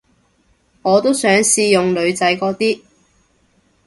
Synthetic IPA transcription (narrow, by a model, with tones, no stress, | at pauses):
ŋɔː˨˧t̪o˥wsœː˨˥ŋsiː˧jʊ˨ŋlɵ˨˧ɥt͡sɐ˨˥jkɔː˧t̪iː˥